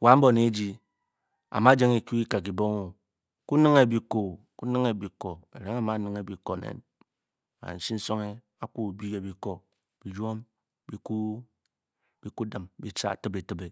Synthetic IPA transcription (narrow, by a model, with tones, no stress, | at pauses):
wa˨˦m̩˦bo˦˨ne˨˦d͡ʒi˦ | a̰˨ma˦d͡ʒe˦ŋe˨ku˦i˦ka˨k̬i˨bo˦ŋo˨ | ku˦nɨ˦ŋe˦˨bi˨ko˨ku˦nɨ˦ŋe˦˨bi˨ko˨ḛ˨ɾe˨˦ŋa˨ma˦nɨ˨ŋe˨bi˨ko˨nḛ˨n | a̰˨n̩˨si˦n̩˦so˦ŋe˦ | a˦ku˦˨bi˦e˨bi˨ko˨ | b̥i˨d͡ʒʷo˦m | bi˦ku˦ | b̥i˦ku˦da˨mbi˦t͡ʃa̰˦˨tɨ˦be˨tɨ˦be˨